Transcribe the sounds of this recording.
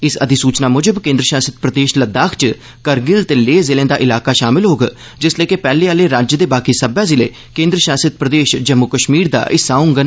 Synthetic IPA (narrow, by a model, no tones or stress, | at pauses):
ɪsəd̪iːsuːt͡ʃnaːmʊd͡ʒəbkẽːnd̪ɾəʃaːsət̪̚pɾəd̪eːʃləd̪aːkʰt͡ʃ | kəɾɡɪlt̪eːleːzɪlẽːd̪aːʔɪlaːkaːʃaːmɪlɦoːɡaː | d͡ʒɪsleːkepɛːleːaːleːɾaːd͡ʒd̪eːbaːkiːsəbaːzɪlḛː | kẽːnd̪ɾəʃaːsət̪̚pɾəd̪eːʃd͡ʒəmːʊkəʃmiːɾd̪a̰ːʔɪsaːʊ̃ŋɡən